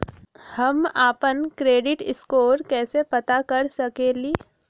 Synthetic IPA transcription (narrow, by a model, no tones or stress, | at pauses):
hɐmaːpənkɾeːɖɪʈɪskoːɾkɛːsepɐt̪akɐɾsɐkeːliː